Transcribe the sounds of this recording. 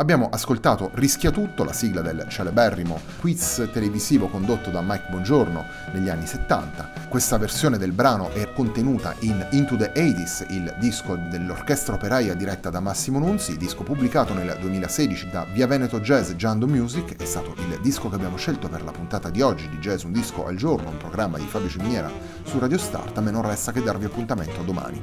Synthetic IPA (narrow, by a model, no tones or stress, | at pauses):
abːjaːmoʔaskolt̪aːt̪orisk̟jat̪ut̪ːola̰siɡlad̪elt͡ʃalebɛrːimo | kwit̪st̪eleviziːvokond̪ot̪ːod̪amajkbwɔnd͡ʒorno̰ | neʎːianːiset̪ːa̰nt̪a | kwest̪aversjoːned̪elbɾaːnoʔɛkːont̪enuːt̪a̰ʔinint̪ud̪eʔɛjt̪isild̪iskod̪elːorkɛst̪ɾaopeɾaːjad̪iɾɛt̪ːad̪amːasːimonunsid̪iskopubːlikaːt̪oneld̪uemiːlasɛːd̪it͡ʃid̪a̰viavɛːnet̪od͡ʒɛːzd͡ʒand̪omjuːzikːɛst̪aːt̪oʔild̪iskokeabːjaːmoʃelt̪operlapunt̪aːt̪ad̪iɔd͡ʒːid̪id͡ʒɛːzund̪isko̰ʔa̰ld͡ʒornoumpɾoɡɾamːad̪ifabɾit͡ʃeminjɛːɾa̰ | surad̪jost̪a̰rt̪menːonrɛst̪ak̟ed̪ːarviapːunt̪ament̪oad̪ːoma̰ːnḭ